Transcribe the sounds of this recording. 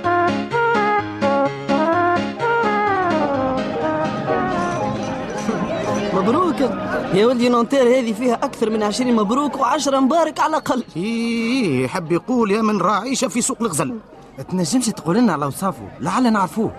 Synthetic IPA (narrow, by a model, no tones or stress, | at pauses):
mæbɾuːkahɪjwæld̪inont̪ˤiːɾhɛːðifiːhæʔækθɑɾˤmɪnʕəʃɾiːnmæbɾuːkawʕaʃɾˤɑmbɑːɾˤɑkʕalʔaqɑlːiijħɪbːjquːljæːmɪnɾˤɑʕiːʃæfisuːqlɣzæl | t̪næʒːəmʃt̪quːlɪnːʕalæwsˤɑːfṵlʕalːænəʕɾfuː